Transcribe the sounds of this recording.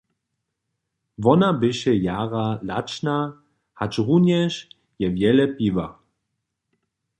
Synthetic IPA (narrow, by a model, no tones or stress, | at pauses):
vɔnabɪʃɛjaːʁala̰t͡ʃna | hat͡ʃʁunjɛʃ | jɛvjɛlɛpiva